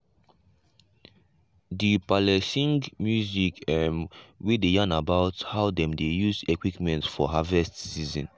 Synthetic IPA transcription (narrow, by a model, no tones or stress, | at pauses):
dipalɛsĩŋɡmjuzikʰɛmwidejãnabaʊthaʊdɛ̃mdejuzekwipmɛ̃ntfɔɦavɛstsizɔ̰̃n